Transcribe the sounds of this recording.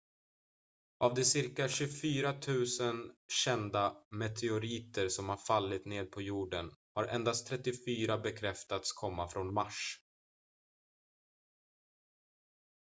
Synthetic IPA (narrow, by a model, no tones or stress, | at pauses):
ʔavd̪ɛsɪɾkaɕɵfyːɾat̪ʰʉ̟ːsənɕɛnd̪amɛt̪ʰɛʊɾiːt̪əɾsɔmhaɾfalːɪt̪neːd̪̚pʰɔjuːɖənhaɾʔɛ̰nd̪ast̪ʰɾɛt̪ːɪfyːɾabɛkʰɾɛft̪at̪skʰɔmːafɾɔnmaʂ